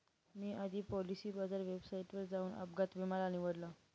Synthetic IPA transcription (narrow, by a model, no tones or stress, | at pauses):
miːʔad̪ʱiːpɔlisiːbad͡zaɾʋebsaiʈʋəɾd͡zauːnə̰bɡat̪bimalañiʋəɽla